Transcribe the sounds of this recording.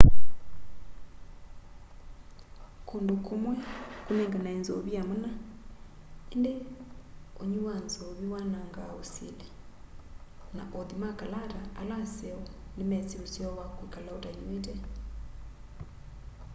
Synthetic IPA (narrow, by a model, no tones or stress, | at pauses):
kʰondokʰomwɛkunɛŋɡanainzɔ̰βiamuna | ende | oɲiwanzoβiwanaŋɡaosḛlɛ | na̰ʔoðimakalaɾaalasɛɔnemɛt͡siɾusjɔwakwikalaoɾaɲuetɛ